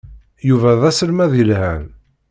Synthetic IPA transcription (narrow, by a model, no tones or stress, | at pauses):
juvæðæsəlmæðilhæn